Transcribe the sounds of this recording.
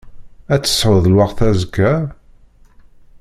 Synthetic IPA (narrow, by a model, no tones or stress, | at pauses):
æt͡sːə̥sːʕəðlwɑqθæzəkːæ